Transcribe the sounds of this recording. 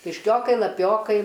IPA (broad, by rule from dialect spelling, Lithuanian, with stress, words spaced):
kʲɪʃʲˈkʲoːkɐɪ lˠɐˈpʲoːkɐɪ